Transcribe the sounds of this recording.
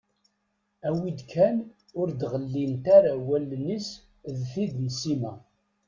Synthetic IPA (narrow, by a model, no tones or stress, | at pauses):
æwid̪kʰæn | ʊɾd̪ʁəlːint̪aɾawælːənis | ðfid̪nsimæ